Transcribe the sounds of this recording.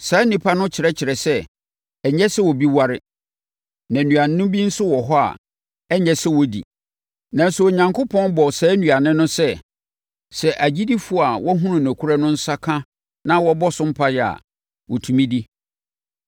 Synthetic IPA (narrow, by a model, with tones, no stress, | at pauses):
saː˨˦nĩ˨pʰa˦nʊ̃˦t͡ɕʰɪ˨ɾɛ˦t͡ɕʰɪ˨ɾɛ˨sɛ˦ | ɛ˨ɲɛ˦sɛ˦wɔ˨bi˦wa˦ɾɪ˦ | nã˨nũ˨a˨n˨˦nʊ̃˦bi˦n̩˦sʊ˦wɔ˨ɦɔ˦a̰˨ | ɛ˦ɲɛ˦sɛ˦wɔ˦dḭ˨ | nã˨n˦sʊ˨o˨ɲã˨ŋkʰʊ˦pʰɔ̃˦nbɔ˨sɛ˨˦nũ˨a˨nɪ̃˦nʊ̃˦sɛ˦ | sɛ˨ʔæ˨d͡ʑi˦di˦fʊ˦˨a˨wɔ˦ɦʊ̃˦nʊ̃˨næ˨kʰu˦ɾa˦nʊ̃˦n̩˦sa˦kʰã˦ | nã˦wɔ˦bɔ˦sʊ̃˦m̩˦pʰa˦jɛ˨a̰˨ | wɔ˨tʰũ˨mĩ˦di˦